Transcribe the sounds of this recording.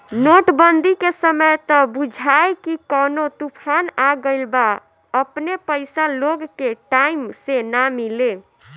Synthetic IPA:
noʈbənd̪ʱikesəməjt̪əbud͡ʒʱajkikənot̪upʰanaɡəɪlba | əpnepəjsaloɡkeʈaimsenamile

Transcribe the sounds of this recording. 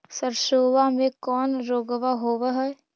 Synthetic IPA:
səɾʃoːʋamẽkɔːnɾoːɡʋaɦoːʋaɦɛː

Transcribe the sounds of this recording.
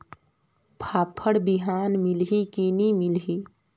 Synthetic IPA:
pʰapʰəɽbiɦanmilɦikinimilɦi

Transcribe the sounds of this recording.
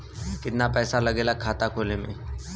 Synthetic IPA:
kɪt̪napɛːsalɐɡeːlakʰaːt̪akʰoːlẽmḛ̃ː

